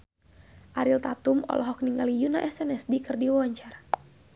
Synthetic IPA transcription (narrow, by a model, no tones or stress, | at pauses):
ʔaɾilt̪at̪umɔ̰lʔɔɦɔk̚niŋɡalijuna̰ʔɛsɛnɛsdikɨrdiwɔɲt͡ʃar